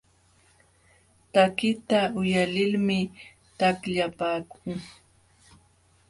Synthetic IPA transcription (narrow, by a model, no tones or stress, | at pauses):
t̪akɪt̪aʊjalɪlmɪ | t̪akʎapaːkʊŋ